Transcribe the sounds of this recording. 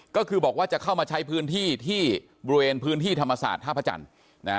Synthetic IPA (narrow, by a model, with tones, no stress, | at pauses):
kɔː˥˩kʰɯː˧bɔː˨˩k̚waː˥˩t͡ɕa˨˩kʰa˥˩wmaː˧t͡ɕʰa˦˥jpʰɯː˦˥nt̪ʰiː˥˩t̪ʰiː˥˩ | bɔ˧ɾu˧weː˧npʰɯː˦˥nt̪ʰiː˥˩t̪ʰa˧mːa˧sa̰ː˨˩t̪̚ʰːaː˥˩pʰa˧˩t͡ɕa̰˧n | na˦˥